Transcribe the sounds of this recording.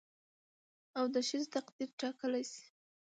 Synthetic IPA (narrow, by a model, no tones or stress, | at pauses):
awd̪əʃizt̪aqd̪iɾʈɑkəlajsi̥